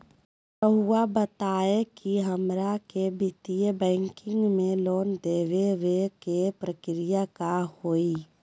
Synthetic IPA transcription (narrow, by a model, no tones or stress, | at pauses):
pəɦʊwabət̪aːekiɦəmɾakebɪt̪ijəbɛ̃ːŋkɪ̃ŋɡmẽloːnd̪eːʋeʋekepɾəkɾɪjakahoːiː